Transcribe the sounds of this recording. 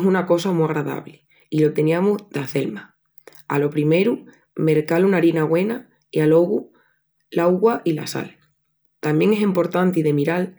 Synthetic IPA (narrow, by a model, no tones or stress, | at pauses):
sunako̞samiaɣɾaða̰βle | ilot̪e̞niamuzðaθe̞lma | a̰lo̞pɾime̞ɾu | me̞ɾkalunaɾinaɣwe̞na | ialo̞ɣu | lawɣwaʔila̰sa̰l | t̪ambje̞ŋe̞sempo̞ɾt̪ant̪iðe̞miɾal